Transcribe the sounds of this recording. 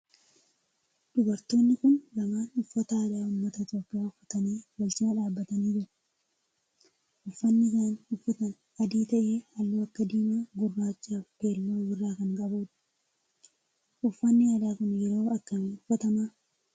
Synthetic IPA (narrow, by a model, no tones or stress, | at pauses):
ᶑʊbɐɾt̪o̞ːnːɪkʊnlɐmaːnʊfːɐt̪aːᶑaːʊmːɐt̪ɐɪt̪oːpːɪjaːʊfːɐt̪ɐniːwɐlt͡ʃɪmɐᶑaːbːɐt̪ɐniːd͡ʒɪɾɐ̥ | ʔʊfːɐnːɪsaːnʊfːɐt̪ɐn | ɐd̪iːt̪ɐʔeːhɐlːuːɐkːɐd̪iːmaːɡʊrːaːt͡ʃːaːfbe̞ːlːoːwɪrːaːkɐŋkʼɐbuːᶑɐ̥ | ʔʊfːɐnːɪjaːd̪aːkʊnjɛɾo̞ːɐkːɐmɪʊfːɐt̪ɐmaː